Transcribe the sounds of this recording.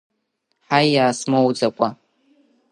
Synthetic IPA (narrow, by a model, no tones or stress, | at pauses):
ħajaːsmowd͡zakʷʼa